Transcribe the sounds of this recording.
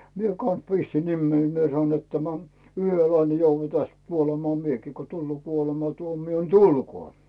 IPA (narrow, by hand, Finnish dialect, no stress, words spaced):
mie kɑns pistin nimːei mie sɑnoin net tæmæ yhøl lɑil ne jouʋːɑ tæst kuolemɑː miekiː ko tulːoː kuolemɑtuomio ni tulkoː